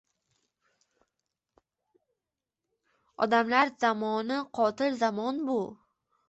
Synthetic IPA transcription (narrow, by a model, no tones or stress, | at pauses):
o̰d̪amlaɾzamɔnəqɔt̪ɪlzamɔnbu